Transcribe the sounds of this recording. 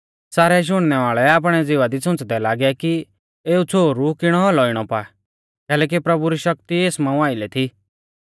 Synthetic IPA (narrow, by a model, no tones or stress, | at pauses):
saːɾɛʃ̬ʊɽ̃nɛʋaːɭɛaːp̬ɽ̃ɛd͡zɪʋad̪isʊ̃t͡sd̪ɛlaːɡɛki | eːut͡sʰoːɾukɪɽ̃ɔɦɔlɔɪɽ̃ɔpa | kɛːlɛːk̬ipɾɐbuɾiʃɐk̚t̪ieːsmãːũaːɪlɛt̪ʰiː